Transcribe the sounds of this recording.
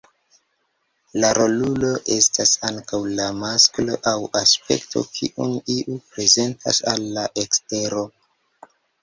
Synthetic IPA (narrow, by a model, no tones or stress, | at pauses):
laɾolulo̞ʔe̞stasaŋkawlamasklo̞ʔawaspe̞̰ktʰo̞̰kʰḭʔuniiʔupɾe̞ze̞ntʰa̰salːaʔe̞kste̞ɾo̞